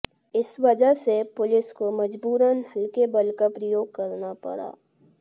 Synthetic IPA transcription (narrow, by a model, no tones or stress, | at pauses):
ɪsʋɐd͡ʒaɦsepʊlɪskomɐd͡ʒbuːɾənhɐlkebɐlkapɾəjoːɡ̚kɐɾnapɐ̰ɽa̰ː